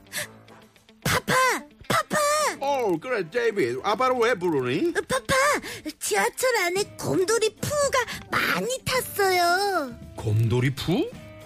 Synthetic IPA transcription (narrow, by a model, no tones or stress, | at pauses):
pʰapʰapʰapʰaokɯɾedejbidapaɾɯwebuɾunipʰapʰat͡ɕiat͡ɕʰʌɾanekʌ̰mdoɾipʰuɡama̰ɲitʰas͈ʌjokomdoɾipʰu